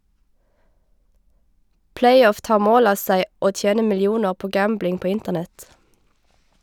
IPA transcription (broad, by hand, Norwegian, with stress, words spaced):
ˈplæɪˌɔf ˈtɑːʁ ˈmoːl ˈɑː ˈsæɪ ˈoː ˈtjeːnə ˌmɪlɪˈuːnəʁ ˈpoː ˈɡæmblɪŋ ˈpoː ˈɪntəʁˌnɛt